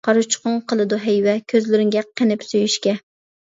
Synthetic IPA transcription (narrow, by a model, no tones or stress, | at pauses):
qʰɑɾʊt͡ʃʰqʊɴqʰəlˠɨd̪uɦɛjwɛkʲʰøzlɪɾɪŋɡʲɛqʰenɪpsojyʃkʲɛ